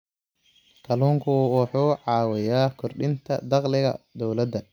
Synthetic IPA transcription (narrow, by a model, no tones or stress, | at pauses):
kʰɐluːŋkʰʊwɑħuːʕɑːwɛjaːkʰɔrɖɪnt̪ʰɐ̰d̪ɑqlɪɣɐ̰d̪ɔwlɐd̪ɐ